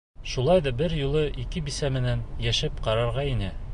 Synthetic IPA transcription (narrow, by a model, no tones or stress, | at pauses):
ʃulˠɑjðɑbɘɾjulˠɤʔikɘbisæmɘ̆nænjæʃɘpqɑɾɑɾʁɑinɘ